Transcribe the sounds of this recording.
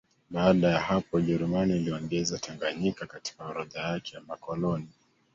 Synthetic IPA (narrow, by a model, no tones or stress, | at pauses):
ɓaːɗajahapɔʄɛɾumaniːliɔŋɡɛzatʰaŋɡaɲikakati̥kauɾaðajakʰɛjamakɔlɔni